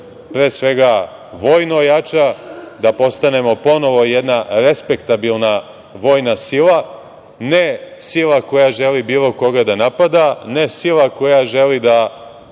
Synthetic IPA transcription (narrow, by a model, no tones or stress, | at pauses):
pɾe̞ːsʋe̞ɡa | ʋo̞jnojat͡ʃad̪apo̞st̪ane̞mo̞po̞no̞ʋo̞jed̪naɾe̞spe̞kt̪abilˠna | ʋo̞jnasilˠa | ne̞silako̞jaʒe̞libiːlˠo̞ko̞ɡad̪anapad̪ane̞silˠako̞jaʒe̞lid̪a